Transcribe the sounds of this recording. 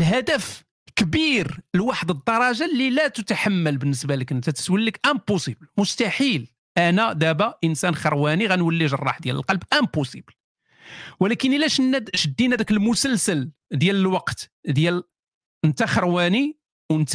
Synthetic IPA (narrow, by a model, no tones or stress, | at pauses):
lɦæd̪əf | kbiɾlwaħəd̪əd̪ˤːɑɾˤɑʒalːilæt̪ət̪aħamːəlbənːəsbæləkʔənt̪æt̪ə̥t̪wəlːəkʔæmposiblmʊst̪aħil | ʔænæd̪æbæʔənsænxɑɾˤwæniɣænwəlːiʒərˤːɑ̰ħd̪jæ̰lə̰lqɑlbʔæmpusibəl | wəlækənʔəlæʃnːæʃəd̪ːinæd̪ækəlmʊsəlsəl | d̪jæləlwɑqt̪d̪jæl | ənt̪æxɑɾˤwæni | wənt̪